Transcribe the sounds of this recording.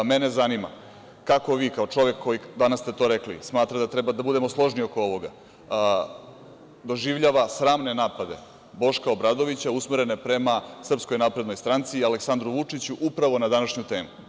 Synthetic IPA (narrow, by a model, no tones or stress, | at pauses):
mene̞zanima̰ | kako̞ʋiːkaot͡ʂo̞ʋe̞kʰːo̞jid̪anast̪e̞t̪o̞ɾe̞klḭsmaːt̪ɾad̪at̪ɾebad̪abud̪e̞mo̞slˠo̞ʒnio̞ko̞o̞ʋo̞ɡa̰ | d̪o̞ʒiʋʎaːʋasɾaːmne̞naːpad̪e̞̰ | bo̞ʃkao̞bɾad̪o̞ʋit͡ɕausmiɾe̞ne̞pɾe̞masr̩psko̞jnapɾe̞d̪nojst̪ɾant̪sialeksand̪ɾuʋut͡ʂit͡ɕuʔupɾaʋo̞nad̪anaʃɲut̪e̞ːmu